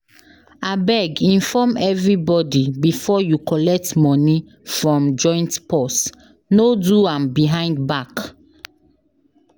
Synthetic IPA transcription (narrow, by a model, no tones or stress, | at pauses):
abɛɡĩnfɔmɛvɹibɔdibifɔjukɔlɛk̚tmɔni | fɹɔ̃md͡ʒɔ̃ɪ̃ntpɔs | noduãmbiɦãɪ̃ndbak